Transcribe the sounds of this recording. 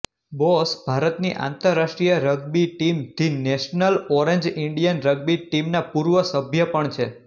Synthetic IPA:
bɔsbʱaɾət̪niʔã̰nt̪əɾːaʃʈɾijəɾəɡbiʈimt̪ʰineʃnəlɔɾeɲd͡ʒiɳɖijənɾəɡ̚biʈimnapuɾʋəsəbʱjəpəɳt͡ʃʰe

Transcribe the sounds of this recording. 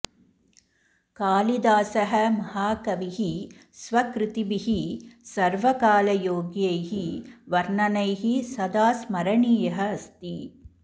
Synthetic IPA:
kaːlid̪aːsɐɦɐmɐɦaːkɐʋiɦi | sʋɐkɾɪt̪ibiɦisɐɾʋɐkaːlɐjoːɡjɐjɦiʋɐɾɳɐnɐjɦisɐd̪aːsmɐɾɐɳiːjɐɦɐɐst̪i

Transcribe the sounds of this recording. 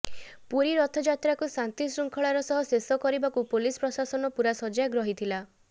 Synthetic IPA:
puɾiɾɔt̪ʰɔd͡ʒat̪ɾakusant̪isɾuŋkʰɔɭaɾɔsɔɦɔsesɔkɔɾibakupolispɾɔsasɔnɔpuɾasɔd͡ʒaɡɾɔɦit̪ʰila

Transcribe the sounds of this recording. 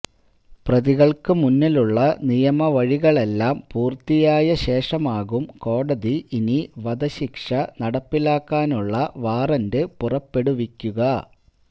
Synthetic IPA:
prɐðiɣɐɭkɨmunːiluɭːɐnijɐmɐʋɐɻiɣɐɭe̞lːaːmpuːrt̪ːijaːjɐɕe̞ːʂɐmaːɣumko̞ːɽɐðiʔːniʋɐd̪ɐɕikʂɐnɐɽɐpːilaːkːaːnuɭːɐʋaːrɐndɨpurɐpːe̞ɽuʋikʲːuɣɐ

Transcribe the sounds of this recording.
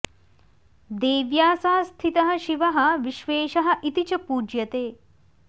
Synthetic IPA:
d̪eːʋjaːsɐɦɐst̪ʰit̪ɐɦɐ̆ʃiʋɐɦɐ̆ʋiʃʋeːʃɐɦɐ̆ʔit̪it͡ʃɐpuːd͡ʒjɐt̪eː

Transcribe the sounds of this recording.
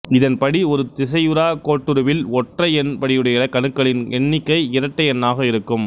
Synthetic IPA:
ɪðɐnpɐɽiɔɾɯt̪ɪs̬ɐjɯɾaːkoːʈːɯɾɯʋɪlɔʈrɐɪɛnpɐɽɪjɯɽɐjɐɪɐkːɐnɯkːɐɭɪnɛɳːɪkːɐɪɪɾɐʈːɐjɛnːaːɣɐɪɾɯkːɯm

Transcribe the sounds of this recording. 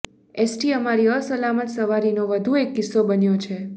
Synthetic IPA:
esʈiəmaɾiəsəlamət̪səʋaɾinoʋəd̪ʱuekːɪsːobənjot͡ʃʰe

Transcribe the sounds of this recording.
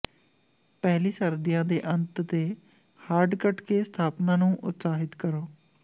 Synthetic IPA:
pɛːliːsəɾd̪ɪjãːd̪eːʔənt̪t̪eː | haːɾɖkəʈkeːst̪ʰaːpnãːnũːʔʊt̪saːɦɪt̪kəɾoː

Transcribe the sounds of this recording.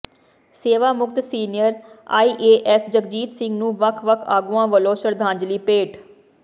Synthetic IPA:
seːʋaːmʊɡ̚t̪siːnɪjəɾa̰ːiːʔeːʔɛsd͡ʒəɡd͡ʒiːt̪sɪ̃ŋɡnũːʋəkʰʋəkʰaːɡuãːʋəloːʃəɾd̪ʱaːɲd͡ʒliːpeːʈ

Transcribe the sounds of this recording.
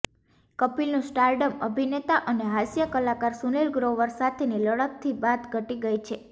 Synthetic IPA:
kəpilnũsʈaɾɖəməbʱinet̪aʔəneɦasjəkəlakaɾsunelɡɾoʋəɾsat̪ʰeniləɽəp̚t̪ʰibat̪ɡʱəʈiɡəjt͡ʃʰe

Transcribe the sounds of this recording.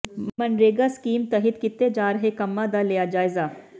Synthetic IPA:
mɐnɾeːɡaskiːmt̪ɐɦɪt̪kɪt̪ːed͡ʒaːɾɐɦekɐmːad̪alejad͡ʒaːɪzaː

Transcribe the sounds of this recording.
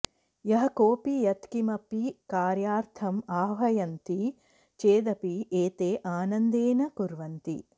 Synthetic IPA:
jɐɦɐkoːpijɐt̪kimɐpikaːɾjaːɾt̪ʰɐmaːʋɐjɐnt̪i | t͡ʃeːd̪ɐpiʔeːt̪eːʔaːnɐnd̪eːnɐkuɾʋɐnt̪ḭ

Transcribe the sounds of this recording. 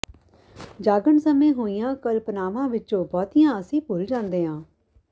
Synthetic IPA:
d͡ʒaːɡəɳsəmẽːɦoːijãːkəlpnaːʋãːʋɪõːbɔːt̪ijãːəsĩːpʊld͡ʒãːnd̪eːɦãː

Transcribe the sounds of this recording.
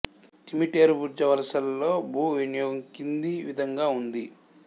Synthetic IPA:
ʈimiʈeːɾubuɾd͡ʒɐʋɐlɐsɐlːo̞ːbʱuːʋinijɔːɡɐŋkind̪iʋid̪ʱɐŋɡaːund̪i

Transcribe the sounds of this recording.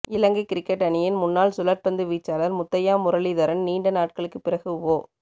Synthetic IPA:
ɪlɐŋɡɐɪkɪɾɪkːɐʈːɐnɪjɪnmʊnːaːɭsʊlɐɾ̚pɐnd̪ɯʋiːt͡ʃːaːlɐɾmʊt̪ːɐjaːmʊɾɐliðɐɾɐnniːɳɖɐnaːʈ̚kɐɭɯkːɯpːɪrɐɣɯoː

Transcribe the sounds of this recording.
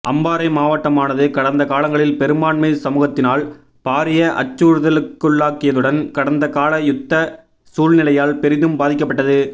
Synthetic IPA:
ʔɐmbaːɾɐɪmaːʋɐʈːɐmaːnɐðɯkɐɽɐnd̪ɐkaːlɐŋɡɐɭɪlpɛɾɯmaːɳmɐɪsɐmuːɣɐt̪ːɪnaːl | paːɾɪjɐʔɐ̰t͡ʃːuːɾɯðɐlɯkːɯɭːaːkːɪjɐðɯɽɐnkɐɽɐnd̪ɐkaːlɐjʊt̪ːɐ | suːlnɪlɐjaːlpɛɾɪðɯmbaːðɪk̬ːɐpːɐʈːɐðɯ

